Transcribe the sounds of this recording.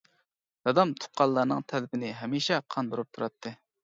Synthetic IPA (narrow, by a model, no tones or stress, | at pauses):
j̪ɑd̪ɑmt̪ʰu̥t̪̚qʰɑlˠːɑɾnɨŋt̪ʰɛlɪbɪnɪɦɛmiːʃɛqʰɑnbuɾup̚t̪ʰuɾɑt̪ʰːɨ